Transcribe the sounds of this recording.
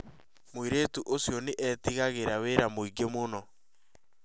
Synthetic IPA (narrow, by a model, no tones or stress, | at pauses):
moiɾetuʔosjɔneʔɛtiɣaɣeɾaweɾamoiɡemonɔ